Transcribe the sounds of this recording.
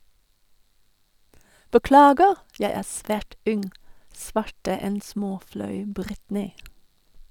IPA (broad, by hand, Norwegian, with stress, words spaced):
bəˈklɑːɡəʁ ˈjæɪ ˈæːʁ ˈsʋæːʈ ˈʉnŋ ˈsʋɑʈə ˈɛn ˈsmoːˌflɑʉ ˈbʁɪtnɪ